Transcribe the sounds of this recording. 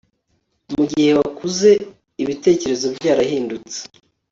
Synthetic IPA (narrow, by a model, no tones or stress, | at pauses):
muɟihe̞βakuze̞ | iβite̞ːce̞ɾe̞zo̞bɟaːɾahiːndut͡se̥